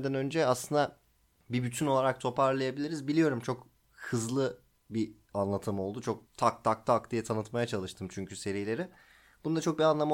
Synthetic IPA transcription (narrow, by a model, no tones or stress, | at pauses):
d̪ænø̞nd͡ʒɛaslˠɯnd̪a | bibyt̪ʰyno̞lˠaɾak̚t̪ʰo̞paɾlˠajabilʲiɾizbilʲijo̞ɾumt͡ʃʰo̞k | hɯzlˠɯ | bi | anlˠat̪ʰɯmo̞lˠd̪ut͡ʃʰo̞k̚t̪ʰak̚t̪ʰak̚t̪ʰakd̪ijɛt̪ʰanɯt̪majat͡ʃʰalˠɯʃt̪ʰɯmt͡ʃʰyɲcyse̞ɾijlʲe̞ɾi | b̥und̪at͡ʃʰo̞k̚bianlˠama